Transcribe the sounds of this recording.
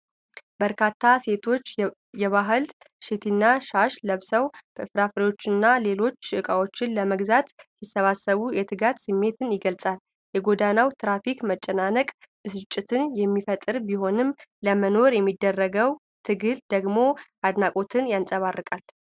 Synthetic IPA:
bəɾkʰat̪ʰːase̞t̪ʰo̞t͡ʃː | jɛβaɦɨl | ʃet̪ʰinːaʃaʃləβsəwbəɨfɾafɾewo̞t͡ʃːɨnːale̞lo̞t͡ʃːʃɨɨkʼawo̞t͡ʃːɪnləməɡzat̪sisːəβasːəβujɛt̪ʰɨɡat̪sɨmːe̞t̪ʰɨnjɪɡəlsʼal | jɛɡo̞d̪anawt̪ʰɾafikmət͡ʃʼːɛnanəkʼ | ɨsɨt͡ʃʼːɪt̪ʰɨnjɛmːifət̪ʼɨɾbiho̞nɨmləməno̞ɾjɛmːid̪ːərːəɡəw | t̪ʰɨɡɨld̪əɡmo̞ʔad̪nakʼo̞t̪ʰɨnjansʼəβarːɨkʼal

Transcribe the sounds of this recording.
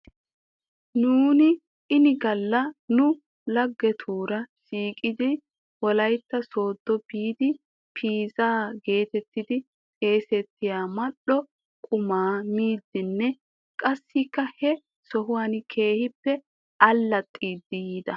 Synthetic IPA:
nuːnɪ | ɪnɪɡɐlːɐnʊ | lɐɡːɛt̪ʰuːɾɐsiːkʼɪd̪ɪ | wɔlɐjt̪ːɐso̞ːd̪ːɔbiːd̪ɪ | pʰiːzaːɡe̞ːt̪ɛt̪ːɪd̪ɪ | tʼe̞ːsɛt̪ːɪjaːmɐɗɔ | kʼʊmaːmiːd̪ːɪnːɛ | kʼɐsːɪkːɐhɛ | sɔhʊwaːnkʰe̞ːhɪpːɛ | ʔɐlːɐt̪ʼːiːd̪ːɪjiːd̪ɐ

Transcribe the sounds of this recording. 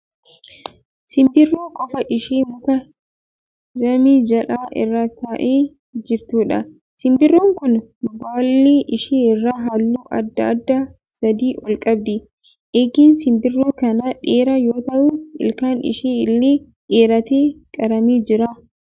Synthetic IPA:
sɪmbɪrːoːkʼɔfɐʔɪʃeːmʊkɐ | ɾɐmiːd͡ʒɐlʔaːʔɪ̰rːaːt̪aːʔeː | d͡ʒɪɾt̪uːᶑɐ̰ | sɪmbɪrːoːŋkʊnbaːlːeːʔɪʃeːɪrːaːɦaːlːuːʔɐ̰d̪ːɐːd̪ːɐ | sɐd̪iːʔɔlkʼɐbd̪ɪ | ʔeːɡiːnsɪmbɪrːoːkɐnaᶑeːɾɐjo̞ːt̪ɐʔuːɪ̰lkaːnɪ̰ʃeːɪlːeː | ᶑeːɾɐt̪eːkʼɐɾɐmiːd͡ʒɪɾaː

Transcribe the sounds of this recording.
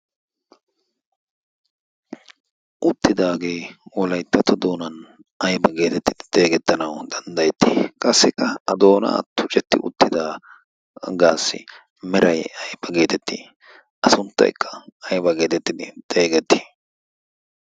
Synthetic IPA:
ʔʊt̪ːɪd̪aːɡe̞ːwɔlɐjt̪ːɐt̪ɔd̪o̞ːnɐn | ɐjbɐɡe̞ːt̪ɛt̪ːɪd̪̥ɪ̥d̪̥e̞ːɡɛt̪ːɐnɐwd̪ɐnd̪ɐjɛt̪ːi̥ːkʼɐsːɪkːɐɐd̪o̞ːnɐ̰ɐ̰t̪ːʊt͡ʃʼɛt̪ːɪ̰ʊ̰t̪ːɪd̪aː | ɡaːsːɪ̰ | mɛɾɐjɐjb̥ɐɡe̞ːt̪ɛt̪ːɪ | ʔɐsʊnt̪ːɐ̰jkʰːɐ̥ɐjbɐɡe̞ːt̪ɛt̪ːɪd̪ɪt̪ʼeːɡɛt̪ːɪ̥

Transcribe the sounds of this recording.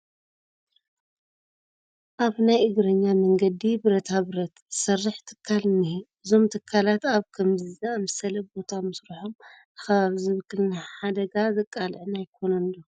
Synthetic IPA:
ʔaβnajʔɨɡɾɐɲːamɐŋɡɐd̪ibɨɾɐt̪ʰaβɨɾɐt̪sɐrːɨħt̪ʰɨ̥kʰːalɨnibɨzo̞mt̪ʰɨkʰːalat̪aβkʰɐmzɨzaamɨsɐlɐbo̞t̪ʰamɨsɾɨħom | ɨxɐβaβizɨβɨkʰːɨlnaħad̪ɐɡazɨkʼːalʕnajkʰo̞nɐnlo

